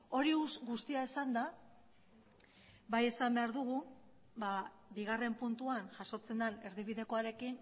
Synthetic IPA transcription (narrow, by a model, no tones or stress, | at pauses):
o̞ɾiusɣust̪iaesand̪a | βaje̞sambe̞aɾðuɣu | ba | biɣare̞mpunt̪uanʝaso̞t͡se̞nd̪ane̞ɾðiβiðe̞koaɾe̞kin